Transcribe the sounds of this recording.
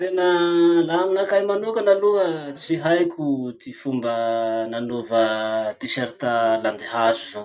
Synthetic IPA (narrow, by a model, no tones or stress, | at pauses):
t̪enəlaminakajmanukənaluət͡siɦajkʲut̪ifumbənanovət̪iʃaɾit̪aland̪iɦazuvo